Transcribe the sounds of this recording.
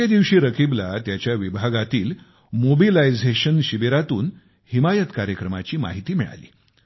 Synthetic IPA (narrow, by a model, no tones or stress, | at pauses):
ed̪iʋɕiːɾəkiblat̪jat͡ɕjaʋibʱaɡat̪iːl | mobilajd͡zeɕənɕibeɾat̪uːn | himajət̪kaɾjəkɾəmat͡ɕiːma̰ɦit̪iːmiɭa̰lḭː